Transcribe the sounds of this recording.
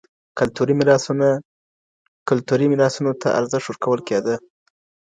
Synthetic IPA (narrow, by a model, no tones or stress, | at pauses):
kalt̪uɾimɪɾɑsn | kʊlt̪uɾimɪɾɑsunot̪ʰa̰ʔa̰ɾzɪʂt̪wəɾkawəlked̪ə